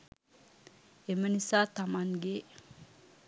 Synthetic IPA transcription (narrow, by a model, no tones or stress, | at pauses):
emənisat̪amanɡe